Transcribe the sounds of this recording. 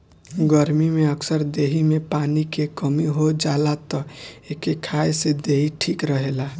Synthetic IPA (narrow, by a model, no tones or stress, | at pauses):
ɡəɾmimeəksəɾd̪eɦimepanikekəmiɦod͡ʒalat̪ɔekekʰaesed̪eiʈʰikɾəɦela